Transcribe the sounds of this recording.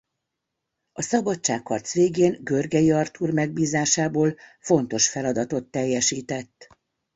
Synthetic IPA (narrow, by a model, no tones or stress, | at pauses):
ɒsɒbɒt͡ʃt͡ʃːaːkːɒrt̪sʋeːɡeːnɡørɡɛjiɒrt̪uːrmɛɡ̚biːzaːʃaːboːlfo̞n̪t̪o̞ʃfɛlɒd̪ɒt̪o̞t̪ːɛjːɛʃiːt̪ɛt̪ː